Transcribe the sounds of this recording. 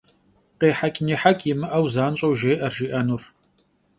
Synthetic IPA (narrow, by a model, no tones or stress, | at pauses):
qeːħakʲʼniːħakʲʼjɪmɨʔɐwzaːnɕʼɐwʒeːʔɐrʒiːʔɐnur